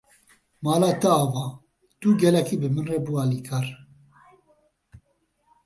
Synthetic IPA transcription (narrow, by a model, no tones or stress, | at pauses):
mɑːlaːt̪ɨaːvɑː | t̪uɡɛlɛkiːbɨmɨnrebuaːliːkʰaːɾ